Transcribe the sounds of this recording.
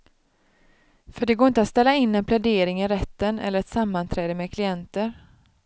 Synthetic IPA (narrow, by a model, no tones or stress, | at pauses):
fœɖɛɡoːɾɪnt̪əat̪st̪ɛlːaɪnːɛnpʰlɛd̪eːɾɪŋɪɾɛt̪ːənɛ̰lːəɾɛt̪samːant̪ʰɾɛːd̪əmɛkʰlɪɛnt̪əɾ